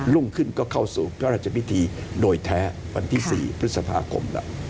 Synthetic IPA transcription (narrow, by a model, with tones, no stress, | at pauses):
lu˥˩ŋkʰɯ˥˩nkɔː˥˩kʰa˥˩wsuː˨˩pʰɾɔ˥˧ɾaː˥˩t̚t͡ɕʰa˧pi˦˥t̪ʰiː˧doː˧jt̪ʰɛː˦˥ | wa̰˧nt̪ʰiː˥˩sḭː˨˩pʰt̪sa˧pʰa̰ː˧kʰo̰˧mlɛ̰˦˥